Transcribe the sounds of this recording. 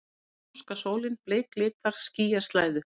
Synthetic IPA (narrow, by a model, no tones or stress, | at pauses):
skasoːwlɪnpleːjklɪːt̪aɾ̥sciːjast̪laːjðʏ